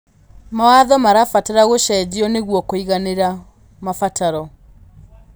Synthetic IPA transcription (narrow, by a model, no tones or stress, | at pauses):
mawaðɔmaɾafataɾaɣoʃɛd͡ʑiɔneɣwɔkoiɣaneɾa | mafataɾɔ